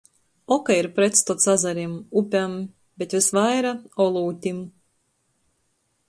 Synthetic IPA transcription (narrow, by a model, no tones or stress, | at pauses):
ɔkaiɾpɾet̪st̪ut̪sazaɾimupʲam | b̥ʲet̪vʲisvajɾaɔlˠuːt̪ʲim